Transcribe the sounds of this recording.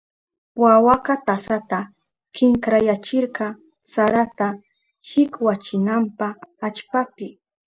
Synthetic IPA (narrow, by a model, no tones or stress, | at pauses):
wawakat̪asat̪a | kɪŋkɾajat͡ʃɪɾqɑ | saɾat̪a | ʃɪkwat͡ʃɪnampaːt͡ʃpapɪ